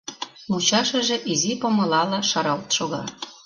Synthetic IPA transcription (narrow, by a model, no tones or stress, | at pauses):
mut͡ɕɑʃə̆ʒĕʔizipomɤ̆lɑlɑʃɑɾɑlt̪ʃoɣɑ̰